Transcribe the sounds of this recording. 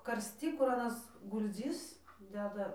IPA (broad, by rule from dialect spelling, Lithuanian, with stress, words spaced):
kɐrʲsʲˈtʲiː kʊr ɐˈnɐs ɡʊlʲˈd͡zʲɪs ˈdʲæːdɐ